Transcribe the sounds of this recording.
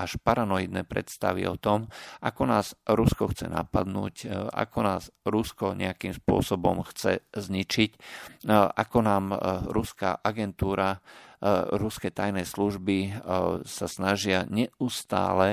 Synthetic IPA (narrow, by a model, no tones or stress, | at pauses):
aʃpaɾanɔjid̪nɛːpɾɛ̰t̪st̪a̰ʋḭɔ̰t̪ɔmʔakɔnaːzɾuskɔxt͡sɛ̰na̰pad̪nṵːcʔa̰kɔnaːzɾuskɔɲɛ̰akiːmspʊɔ̰sɔbɔmxt͡sɛ̰zɲit͡ʃic | ʔakɔnaːmɾuska̰ʔaɡɛnt̪uːɾa | ɾuskɛt̪ajnɛsluʒbi | sasnaʒɪaɲɛʔust̪a̰ːlɛ